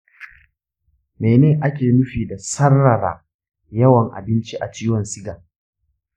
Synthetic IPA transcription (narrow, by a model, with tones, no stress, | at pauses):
meː˨neː˦˨ʔa˦kʲeː˨nʊ˦ɸiː˨da˨sɐ˦rːɐ˨ɾa̰ː˨ | jɐ˦wɐ˨ŋʔa̰˨bɪ˦nt͡ʃi˦ʔa˨t͡ʃiː˦wɐ˨nsɪ˦ɡaː˨